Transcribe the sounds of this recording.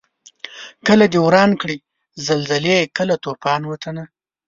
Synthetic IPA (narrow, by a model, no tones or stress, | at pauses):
kəlad̪ewɾɑnkɽi | zalzalekəlat̪opɑnwət̪ʰəna